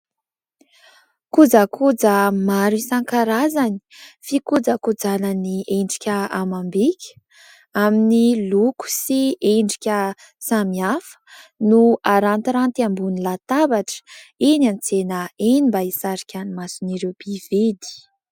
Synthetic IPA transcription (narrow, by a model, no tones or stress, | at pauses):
kud͡zakud͡zəmaɾisaŋkaɾazani̥fikud͡zakud͡zanəniʔeɳɖ͡ʐikʲəamambikʲʰə̥ | aminiluku̥sieɳɖ͡ʐikʲə | samiafə̥nuaɾant̪iɾant̪iambunilat̪abaʈ͡ʂə̥enant͡senəenimbaisaɾikʲanimasuniɾewb̥ived̪i̥